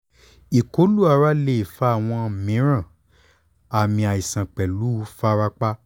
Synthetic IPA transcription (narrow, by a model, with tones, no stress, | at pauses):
i˨ko˨˦lu˦a˦˨ɾa˦le˦˨i˨fa˦a˦˨w̃ɔ̃˧˨mĩ˨˦ɾ̃ã˦˨ | a˨mĩ˧a˨i˨sã˨k͡pɛ˨lu˨˦fa˦ɾa˦k͡pa˦